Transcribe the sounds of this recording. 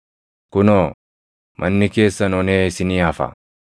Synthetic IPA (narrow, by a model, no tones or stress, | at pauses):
kʊnoː | mʔɐnːɪkeːsːɐnɔneːɪsɪniːɐfɐ̰